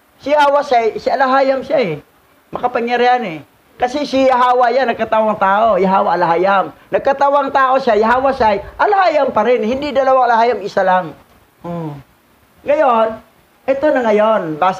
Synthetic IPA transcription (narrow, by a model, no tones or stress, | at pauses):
sɪhawasajsɪalaɦaːjamsjaɛ | mɐkapaŋjaɾɪanɛ | kɐsɪsɪaɦaːwaʔjanːɐɡ̚kat̪awaŋt̪aːʔojaɦaːwaʔalaɦajamnɐɡ̚kat̪awaŋt̪aːʔosjajaɦawasajʔɐlahaːjampɐɾɪnhɪnd̪ɪd̪ɐlɐwaalahaːjamɪsalaŋ | ʔo | ŋɐjon | ʔɛt̪onɐŋɐjonbaːs